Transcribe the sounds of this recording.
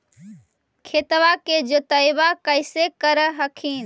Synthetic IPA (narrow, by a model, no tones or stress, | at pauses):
kʰeːt̪ʋaked͡ʒoːt̪əjʋakəɪsekəɾəɦəkʰiːn